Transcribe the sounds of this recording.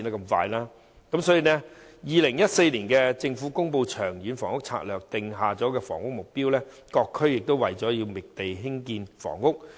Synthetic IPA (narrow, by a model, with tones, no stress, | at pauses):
t̪ɐ˥kɐ˧mfa̰ː˧jlaː˥ | kɐ˨˦msɔː˨˥jiː˨˩nɛ˥jiː˨˧lɪ˨˩ŋjɐ˥t̚se˧jliː˨˩nkɛː˧t͡sɪ˧ŋfuː˨˥kʊ˥ŋpo˧wt͡ʃʰœː˨˩ŋjyː˨˥nfɔː˨˩ŋʊ˥k̚t͡sʰa̰ː˧˥t̚lœː˨˩k̚t̪ɪ˨ŋɦaː˨t͡sɔː˨˥kɛː˧fɔ̰ː˨˩ŋʊ˥k̚mʊ˨k̚piː˥wlɛː˥ | kɔː˧kʰːɵ˥ɥjɪ˨k̚t̪o˥wɐ˨jt͡sɔː˨˥jiː˧wmɪ˨k̚t̪e˨jɦɪ˥ŋkiː˧nfɔ̰ː˨˩ŋːʊ˥k̚